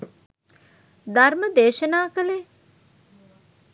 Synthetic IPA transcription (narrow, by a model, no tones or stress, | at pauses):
d̪arməd̪eːʃənaːkəle